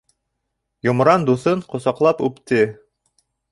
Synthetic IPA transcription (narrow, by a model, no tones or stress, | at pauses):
jŏmɾɑnd̪uθɤɴqŏsɑqlˠɑpʉpt̪ɘ